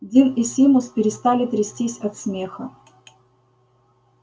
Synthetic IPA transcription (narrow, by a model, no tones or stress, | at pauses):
d̪ʲilɪsʲimʊspʲɪɾʲɪst̪alʲɪt̪ɾʲɪsʲtʲisʲɐt̪smʲexə